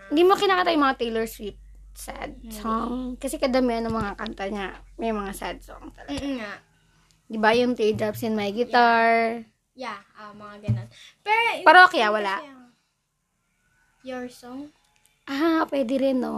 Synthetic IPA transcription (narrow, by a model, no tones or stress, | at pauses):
ɪnd̪iːmokɪnaːkit̪ajʊŋmɐŋat̪ɛjlɛɹsip̚ | sa̰d̪̚sɔŋkɐsɛkɐd̪ɐmiʔɐnːɐŋmɐŋakant̪ɐɲamɛjmɐŋasad̪̚sɔ̰ŋt̪ɐlɐɡɡaa | d̪ɪbajʊŋt̪ɛd̪ɾabsɪnmɐjɡɪt̪aɹ | jaʔomɐŋaɡɐnonpɛpɛɾokɐjawɐla | joɹsɔŋ | ʔaapwɛːd̪ɪɾɛnːo